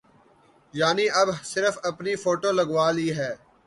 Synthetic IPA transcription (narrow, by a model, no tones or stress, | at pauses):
jaːniɐbsɪɾəfɐpnifʰoːʈoːlɐɡʋaːliːɦɛː